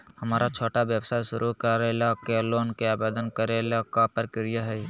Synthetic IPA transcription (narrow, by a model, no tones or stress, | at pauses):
hɐmaːɾat͡ʃʰoːʈaʋjəʋsaʃʊɾʔukəɾelakeloːnkeaːbeːd̪ənkəɾelakapəɾkɪɾijaɦɛi